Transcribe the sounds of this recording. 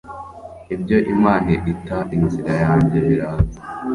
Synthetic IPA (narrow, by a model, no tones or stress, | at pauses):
ib̚ɟo̞ʔimaːneʔitaʔinziɾajaːɲɟeβiɾaːza